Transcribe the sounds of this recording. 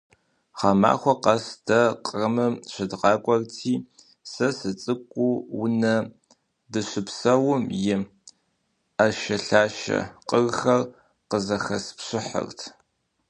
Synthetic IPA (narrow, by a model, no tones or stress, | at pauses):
χɑma̰ːxʷɔqɐsdʰɐqʼrɐmɨmɕɪdqɑːkʷʼɔrtʰiː | sɐsɨt͡sʼɨkʷʼːuwʊnɐ | dɨɕɪpsɐwʊmjɪ | aʃɐɬaːʃɐ̰qʼərxɐr | qəzɐxɐspɕɪħə̰rtʰ